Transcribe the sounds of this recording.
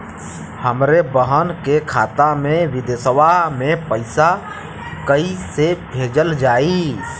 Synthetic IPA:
həmɾebəɦənkekʰa̰t̪ameʋid̪esʋamepəɪsa | kəisebʱed͡ʒəld͡ʒai

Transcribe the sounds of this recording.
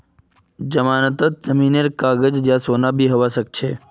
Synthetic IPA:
d͡ʒəmaːnət̪ət̪̚zəmineɾkaːɡəd͡ʒd͡ʒjãsoːnabʱiɦəʋasək̚t͡ʃʰe

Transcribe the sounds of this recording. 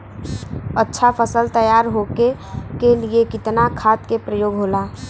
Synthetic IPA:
ətːʃʰapʰəsəlt̪əjaːɾɦoke | keliekɪt̪nakʰaːt̪kepɾəjoːɡɦoːlaː

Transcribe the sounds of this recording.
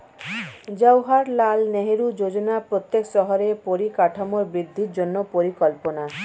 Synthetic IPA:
d͡ʒawɦaɾlalneɦeɾud͡ʒod͡ʒonapɾot̪jeksɔɦɔɾepoɾikaʈʰamoɾbɾid̪ʱːiɾd͡ʒonːopoɾikɔlpona

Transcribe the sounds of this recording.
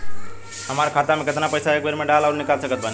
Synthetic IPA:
ɦəmaɾkʰat̪amẽkət̪napəjsaek̚bʱəɾmeɖalaʊɾnikalsəkət̪̚bʱani

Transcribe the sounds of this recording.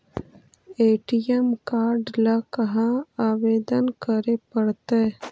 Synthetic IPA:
eːʈijemkaːɾɖlakɐɦãaːʋeːd̪ənkəɾepəɽt̪e

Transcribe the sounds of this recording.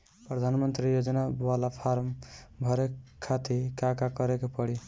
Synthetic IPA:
pɾəd̪ʱanmənt̪ɾijod͡ʒnawalapʰaɾmbʱʌɾekʰːat̪ʰikakakʌɾekepəɽi

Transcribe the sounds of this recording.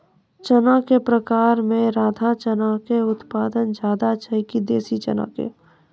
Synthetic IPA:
t͡ʃənakepɾəkaːɾmẽɾaːd̪ʱat͡ʃənakeʊt̪paːd̪ənd͡ʒaːd̪at͡ʃʰəɪkid̪eːsit͡ʃə̰na̰kḛ

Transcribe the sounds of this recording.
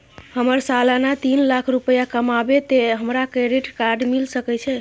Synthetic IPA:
həməɾsalanat̪inlakʰɾupəjakəmabet̪eɦəmɾakɾeɾiʈkaɾɖmilsəkɛt͡ʃʰɛ

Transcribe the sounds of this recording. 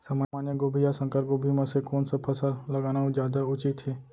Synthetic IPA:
samamaːnjəɡoːbʱijasə̃ŋkəɾɡoːbʱimãsekoːnsapʰɐsalɐɡaːnaũd͡ʒjaːd̪aʊt͡ʃɪt̪ʰːeː

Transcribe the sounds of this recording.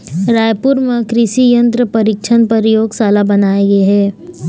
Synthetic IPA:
ɾaːjpʊɾmekɾɪsijə̃nt̪ɾəpɐɾɪkʃʰənpɐɾjoːɡsaːlabɐnaːeɡeɦɛː

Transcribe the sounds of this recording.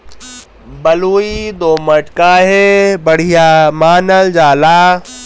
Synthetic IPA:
bɐluːid̪oːmɐʈkaːɦebɐɽ̤ijaːmaːnəld͡ʑaːlaː

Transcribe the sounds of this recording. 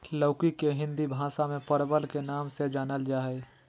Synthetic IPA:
ləːkikeɦɪ̃nd̪ibʱãːsamẽpəɾbəlkenaːmsed͡ʒaːnəld͡ʒaːɦɛː

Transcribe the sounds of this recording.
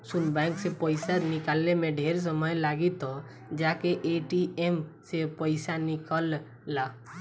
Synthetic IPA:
sunbɛ̃ŋksepəɪsanikalːemeɖʱeɾs̬əməjlaɡit̪ɔ | d͡ʒakeʔeʈiemsepəɪsanikəlː | a

